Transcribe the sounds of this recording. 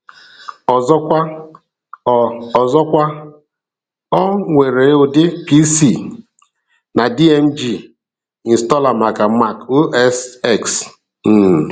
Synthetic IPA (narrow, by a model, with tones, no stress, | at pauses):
ɔ˨zɔ˦kʷa˦˨ | ɔ˨zɔ˦kʷa˦ | ɔ˦ŋʷe˨ɾe˨˦ʊ˨dɪ˦pi˦si˨ | na˨di˦e˦m̩˦d͡ʒi˦˨ | i˨n̩stɔ˦la˨ma˨ka˨ma˦˨ko˦ʔɛ˦sɛ˦ks | n̩˦˨